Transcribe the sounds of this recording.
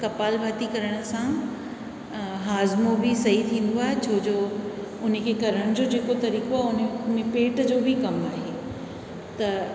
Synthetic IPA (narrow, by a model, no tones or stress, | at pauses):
kɐpaːlbʱaːt̪ikɐɾəɽ̃̆sã | ɦaːzmobʱɪsɐɦit̪ʰĩːn̆d̪oaːɦet͡ɕʰoːd͡ʑoː | ʊn̤əkʰekɐɾəɽ̃d͡ʑoːd͡ʑeːkot̪ɐɾiːkoaːɦʊnmẽpeːʈd͡ʑoːbʱɪkɐmaːɦeː | t̪ɐ